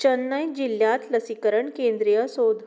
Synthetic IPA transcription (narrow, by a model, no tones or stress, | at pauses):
t͡ɕənːəjd͡ʑilːjat̪ləsikəɾəɳkẽnd̪ɾijəsod̪ʱ